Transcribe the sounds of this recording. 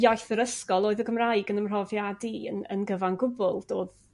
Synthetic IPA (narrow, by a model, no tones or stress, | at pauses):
jajθəɾəskɔlˠoːɨðəɡəmraɨɡənəmr̥ɔvjadiənə̰nɡəvanɡʊbʊlˠd̥oːð